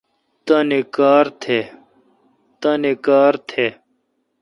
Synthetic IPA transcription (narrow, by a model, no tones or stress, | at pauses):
t̪ɐnekaːɾt̪ʰe | t̪ɐnekaːɾt̪ʰe